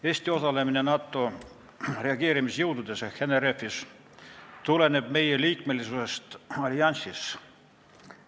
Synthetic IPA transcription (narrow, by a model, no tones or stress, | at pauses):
e̞ːsʲt̪io̞sɑle̞mine̞nɑːt̪ːˑo̞ | re̞ɑɡe̞ːɾimisjɤwd̪ud̪̥e̞seheneɾefːis | t̪ule̞ne̞b̥̚me̞jeliːk̚me̞lisuse̞st̪ɑlʲiɑnʲsis